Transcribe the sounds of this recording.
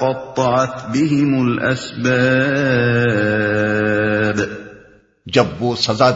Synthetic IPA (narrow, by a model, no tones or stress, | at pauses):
qɑt̪ˤːɑʕɑt̪bɪɦɪmʊlʔa̰sbaː | b | d͡ʒɐbʋoːsɐzaː